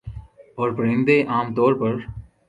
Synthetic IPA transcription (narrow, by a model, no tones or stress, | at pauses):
ɔːɾpɾẽnd̪eʔaːmt̪ɔːɾpɐɾ